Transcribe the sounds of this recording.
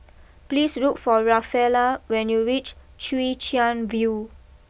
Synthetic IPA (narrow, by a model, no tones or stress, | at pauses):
pliːsɹutfɔɹafɛlawɛ̃njuɹit͡ʃ | t͡ʃuit͡ʃiãnvju